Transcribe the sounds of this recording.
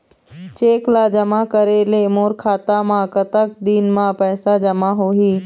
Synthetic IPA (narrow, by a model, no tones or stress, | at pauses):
t͡ʃeːklad͡ʒəmakəɾelemoːɾkʰaːt̪amãkət̪ək̚d̪iːnmãpɛːsad͡ʒɐmaɦoːɦiː